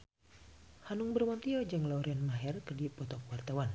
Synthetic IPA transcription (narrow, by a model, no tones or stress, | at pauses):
hanʊŋbərmant̪iɔd͡ʒɨŋlauɾianmaɦɛrkədipɔt̪ɔkwart̪awan